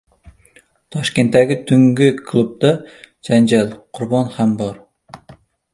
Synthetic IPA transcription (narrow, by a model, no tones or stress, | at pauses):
t̪ʰɒʃkʲent̪ːæɡʲɪt̪ʰyŋɡʲikʰlˠub̚d̪ad͡ʒand͡ʒalqʰʊɾbɒnhambɒɾ